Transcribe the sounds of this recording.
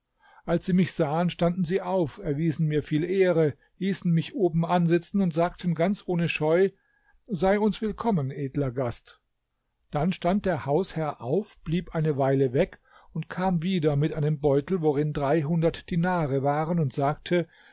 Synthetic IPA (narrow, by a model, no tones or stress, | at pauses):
ʔalsz̥iːmɪçz̥aːənʃtandn̩ziːʔaʊfɛɐviːzn̩miːɐfiːlʔeːʁə | liːsn̩mɪçʔoːbm̩ʔanzɪt͡sn̩ʊntz̥aːk̚tʰən̩ɡant͡sʔoːnəʃɔʏ | zaɪʊnsv̥ɪlkʰɔmənʔeːdlɐɡast | d̥anʃtant̚d̥eːɐhaʊshɛɐʔaʊfb̥liːpʔaɪnəvaɪləvɛk | ʊntkʰaːmviːdɐmɪtʔaɪnəmbɔʏtl̩voʁɪndʁaɪɦʊndɐtd̥inaːʁəvaːʁənʊntz̥aːk̚tʰə